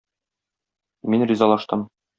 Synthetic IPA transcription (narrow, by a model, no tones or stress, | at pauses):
minrʲizɑlˠɑʃt̪ɤm